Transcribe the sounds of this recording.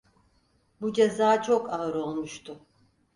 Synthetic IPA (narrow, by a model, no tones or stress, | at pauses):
bud͡ʒezaːt͡ʃʰo̞kaɯɾo̞lˠmuʃt̪ʰʊ